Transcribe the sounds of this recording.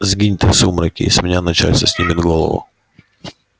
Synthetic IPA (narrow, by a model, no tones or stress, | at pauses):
zɡʲinʲɪt̪ɛsumɾɐkʲḭːsʲmʲɪnʲanɐt͡ɕa̰tʲsʲəsʲnʲimʲɪd̪ɡolˠə̰vʊ̰